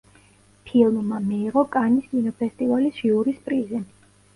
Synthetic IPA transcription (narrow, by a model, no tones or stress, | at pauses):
pʰilˠmmamiːʁɔkʼaniskʼinɔpʰɛst̪ʼivalisʒiuɾispʼɾizɛn